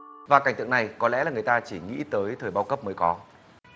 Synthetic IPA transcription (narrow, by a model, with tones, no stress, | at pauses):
vaː˨˩ka˧˩ŋt̪ɨ˧˨ŋna˨˩jkɔ˨˦lɛ̰˧˥laː˨˩ŋɨ˨˩ə˩jt̪aː˧t͡ɕi˧˩ŋḭ˧˥t̪əː˨˦jt̪ʰəː˨˩jɓaː˧wkə˦˥p̚məː˨˦jkɔ˨˦